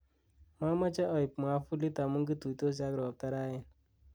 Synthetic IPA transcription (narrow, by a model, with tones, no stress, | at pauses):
ma˦ma˦t͡ʃa˦ʔɔ˨ji˨pm˨a˦fu˦li˦ta˨mu˦ŋɡi˦tu˨i˨to˦s̬a˦ɡɾɔ˨ɔ˨p̚ta˦ɾa˦jɛ˨n